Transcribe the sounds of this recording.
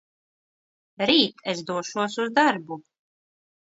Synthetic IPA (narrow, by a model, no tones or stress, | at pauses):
ɾiːt̪ʰɛsd̪uɔʃuɔsuzd̪aɾbu